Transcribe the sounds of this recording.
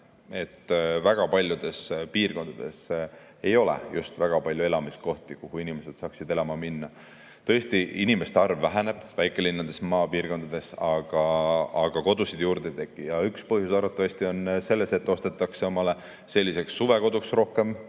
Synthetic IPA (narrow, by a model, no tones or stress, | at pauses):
e̞t̪ːvæɡ̥ɑpɑlʲjud̪̥e̞spiːrko̞nd̪ɑd̪̥e̞̰s | e̞jo̞lḛjust̪væɡ̥ɑpɑlʲjue̞lɑmist̪̚ko̞ht̪ikuhuinime̞se̞d̪̥sɑːksid̪e̞lɑmɑminːɑ | t̪ɤ̞ːst̪iinime̞st̪ɑrvːæɦene̞b̥væjkːˑe̞linːɑd̪̥e̞smɑːpiːrko̞nd̪̥ɑd̪̥e̞sɑɡ̥ɑːɡ̥ɑko̞d̪̥usid̪̥juːɾd̪e̞t̪e̞ɡːˑijɑykspɤɦjusɑɾɑt̪ːˑɑvɑst̪io̞nse̞lːe̞se̞t̪ːo̞st̪e̞t̪ːˑɑkse̞o̞mɑle | se̞lʲːise̞ksːuve̞ko̞d̪uksro̞hke̞m